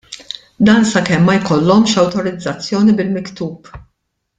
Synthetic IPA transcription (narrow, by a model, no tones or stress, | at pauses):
d̪ɐːnsɐkɛmːɐjkɔlːɔmʃɐwt̪ɔɾɪd͡zːɐt͡sːjɔːnibɪlmɪkt̪uːp